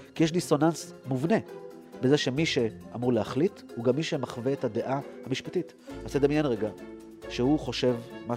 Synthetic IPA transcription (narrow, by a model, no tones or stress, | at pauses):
kijeʃ̬diso̞nansmuvne̞ | be̞ze̞ʃe̞miʃe̞amuʁlehaχlithuɡamːiʃemaχveethade̞ʔahamiʃpatit | ased̪amjenʁeɡa | ʃehuχo̞ʃe̞vma